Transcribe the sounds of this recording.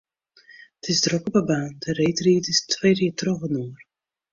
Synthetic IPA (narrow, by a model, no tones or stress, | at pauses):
ətʰɪsdrɔkəbabaːndəɾejtriːətɪstʰwejdɪːtrɔxənuər